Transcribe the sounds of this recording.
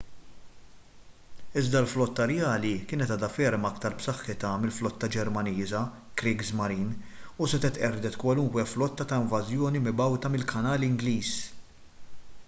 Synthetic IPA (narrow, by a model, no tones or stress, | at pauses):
ɪzd̪ɐlflɔt̪ːɐɾɛjɐːlikɪːnɛt̪ɐːd̪ɐfɛɾmɐkt̪ɐɾpsɐħːɪt̪ɐmɪlflɔt̪ːɐd͡ʒɛɾmɐniːzɐ | kɾɪːɡzmɐɾiːnusɛt̪ɛt̪ʔɛɾd̪ɛt̪kwɐlʊŋkwɛflɔt̪ːɐt̪ɐɪɱvɐzjɔːnimɪbɐwt̪ɐmɪlkʰɐnɐːlɪŋɡliːs